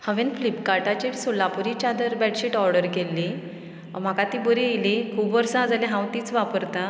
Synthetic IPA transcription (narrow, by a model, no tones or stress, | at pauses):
hə̃ʋẽnflipkaɾʈat͡ɕeɾsulapuɾit͡ɕad̪əɾbɛʈɕiʈɔɾɖəɾkelːi | m̤akat̪ibəɾielikʰuːbʋəɾsaad͡zaleɦãwt̪iːt͡sʋapəɾt̪a